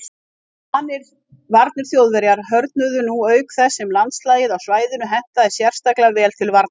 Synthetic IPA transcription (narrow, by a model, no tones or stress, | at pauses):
anːɪɾ̥ | vaɾt̪̚nʏɾ̥θjowðvɛɾjaɾ̥ɦœɾt̪̚nʏðʏnuœːɥkθɛsːɛmlant̪slaːjɪðawsvaːjðɪnʏɦɛn̥t̪aðɛsjɛr̥st̪aklavɛːlt̪ʰɪlvaɾt̪n